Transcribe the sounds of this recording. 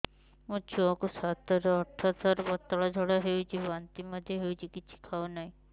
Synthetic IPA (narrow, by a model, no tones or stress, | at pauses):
mut͡ʃʰuɔkusat̪ɔɾeɔɾt̪ʰːat̪ɔɾbɔt̪ːɔɭɔd͡ʒʱɔɽaɦewt͡ʃʰiɦant̪imɔd̪ʱjeɦewt͡ʃʰikit͡ʃʰi̥kʰawnaĩ